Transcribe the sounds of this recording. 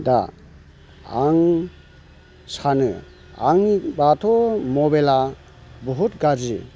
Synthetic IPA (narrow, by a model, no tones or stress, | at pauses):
da̰ | aŋ | sanɯ | aŋibatʰɔmɔbela | bɔɦut̚ɡad͡ʒi